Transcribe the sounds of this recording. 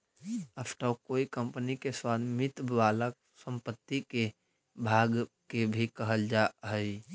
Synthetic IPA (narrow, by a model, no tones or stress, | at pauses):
əpʈakoːikə̃mpnikeswaːd̪mɪt̪baːla | sə̃mpət̪ːike | bʱaːɡ | kebʱikəɦəld͡ʒaɦəi